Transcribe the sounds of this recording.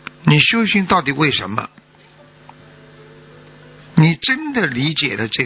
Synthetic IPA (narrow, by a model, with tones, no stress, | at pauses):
ni˨˩ɕjo˥ʊɕi˥ŋt̪ɑ˥˩ʊt̪i˨˩˦we˥˩ɪʂə̰˧˥nmə̰˧ | ni˨˩ʈ͡ʂə˥nd̪ə˨li˧˥t͡ɕjɛ˨˩lə˦ʈ͡ʂɤ˥˩